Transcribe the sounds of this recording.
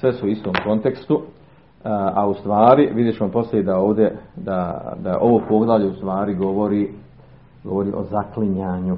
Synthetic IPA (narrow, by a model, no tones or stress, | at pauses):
sʋesuuist̪oːmko̞nt̪ekst̪u | aust̪ʋaːɾiʋid̪jet͡ɕemampo̞slʲeid̪aoːʋd̪jed̪ad̪aʔo̞ʋoːpoːɡd̪aʎeust̪ʋaːɾiɡo̞ʋo̞ɾiː | ɡo̞̰ʋo̞ɾiʔo̞̰zakliɲaːɲu